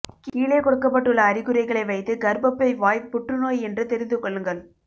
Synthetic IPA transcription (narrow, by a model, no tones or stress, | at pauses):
kiːɭeːkɔɽɯkːɐpːɐʈːɯɭːɐːɾɪɣɯɾɐɪɣɐɭɐɪʋɐɪt̪ːɯɡɐɾbɐpːɐɪʋaːjpːʊʈrɯnoːjɛndrɯt̪ɛɾɪnd̪ɯkːɔɭːɯŋɡɐɭ